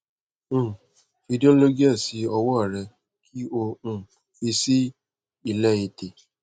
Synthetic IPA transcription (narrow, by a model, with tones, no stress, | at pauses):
fi˧dõ˦lo˦ɡi˦a˦˨si˧˦ɔ˧wɔ˦a˨ɾɛ˧ | kʰi˦o˧ũ˦ | fi˧si˦ | i˨lɛ˦i˧te˨